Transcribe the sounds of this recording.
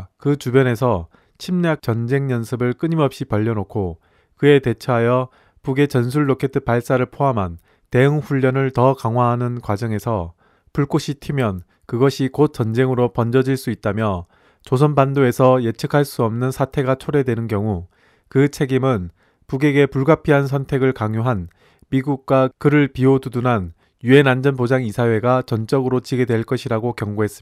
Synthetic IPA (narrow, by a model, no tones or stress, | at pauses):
kɯt͡ɕubjʌne̞sʰʌ | t͡ɕʰimɲak̚t͡ɕʌnd͡ʑe̞ŋɲʌnsʰɯbɯɭk͈ɯɲimʌp̚ɕ͈ipʌʎːʌnokʰo | kɯe̞te̞t͡ɕʰʌɦajʌ | puɡe̞t͡ɕʌns̬ʰuɭːokʰe̞tʰɯ̥paɭs͈aɾɯɭpʰoɦamɦan | te̞ɯŋɸuʎːʌnɯɭtʌkaŋɦwaɦanɯnkwad͡ʑʌŋe̞sʰʌ | puɭk͈oɕʰitʰimjʌn | kɯɡʌɕʰikot̚t͡ɕ͈ʌnd͡ʑe̞ŋɯɾopʌnd͡ʑʌd͡ʑiɭs͈uit̚t͈amjʌ | t͡ɕosʰʌnbandoe̞sʰʌje̞t͡ɕʰɯkʰaɭs͈uʌmnɯnsʰatʰe̞ɡat͡ɕʰoɾe̞dwe̞nɯnkjʌŋu | kɯt͡ɕʰe̞ɡimɯn | puɡe̞ɡe̞puɭɡapʰiɦans̬ʰʌntʰe̞ɡɯɭkaŋjoɦan | miɡuk̚k͈wakɯɾɯɭpiodudunan | jue̞nand͡ʑʌnpod͡ʑaŋisʰawe̞ɡat͡ɕʌnt͡ɕ͈ʌɡɯɾot͡ɕiɡe̞dwe̞ɭk͈ʌɕʰiɾaɡokjʌŋɡoɦe̞s͈ɯm